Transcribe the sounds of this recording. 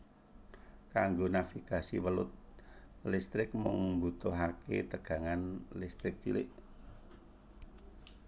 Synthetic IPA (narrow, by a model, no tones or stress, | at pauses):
kaŋɡonafikasḭwəlʊt̪̚list̪ɾɪk̚mʊŋbut̪oɦaket̪əɡ̥a̤ŋanlɪst̪ɾɪk̚t͡ʃḭlɪ̰ʔ